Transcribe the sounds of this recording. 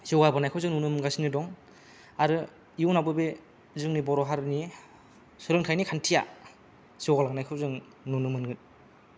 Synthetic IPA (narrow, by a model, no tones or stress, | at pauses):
ziwɡabanajkʰɯwzɯŋnunɯmɯŋɡasinɯdɔŋ | aɾɯ | iunabɯbe | zɯŋnibɔɾɔɦaɾni | sɯɾɯŋkʰajnikʰantʰija | ziɔwɡalaɡanajkʰɯwzɯŋ | nunɯmɯnɡɯt̚